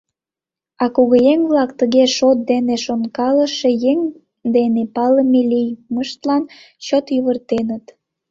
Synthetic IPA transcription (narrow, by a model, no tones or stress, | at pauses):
ɑkuɣəjeŋβlɑkt̪əɣeʃot̪̚d̪eneʃonkɑləʃejeŋ | d̪enepɑləmelijməʃt̪lɑn | t͡ɕot̪jyβərt̪enət̪